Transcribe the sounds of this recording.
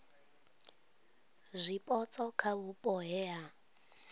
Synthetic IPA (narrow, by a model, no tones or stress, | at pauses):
zʷipʼɔt͡sʰʼɔkʰaβupʼɔɦɛɦa